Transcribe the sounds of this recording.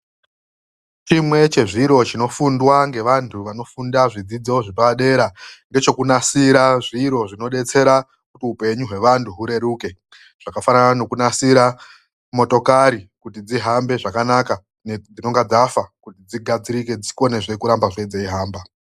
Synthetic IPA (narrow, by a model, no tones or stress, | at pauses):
t͡ʃimwe̞t͡ʃe̞ʐiɾo̞t͡ʃino̞fundwaŋɡe̞ʋantʰuʋano̞fundaʐid͡zid͡zoʐipaɗe̞ɾaŋɡe̞t͡ʃo̞kunasiɾaʐiɾo̞ʐino̞ɗe̞t͡se̞ɾa | kutiupe̞ɲuɦwe̞ʋantʰuɦuɾe̞ɾuːke̞ | ʐ̥akafananano̞kunasiɾa | mo̞to̞kaɾikutid͡ziɦambe̞ʐakanaka | ned͡zino̞ŋɡad͡zafakutid͡ziɡʱad͡ziɾike̞d͡ziko̞neʐe̞kuɾambaʐed͡zeiɦaːmba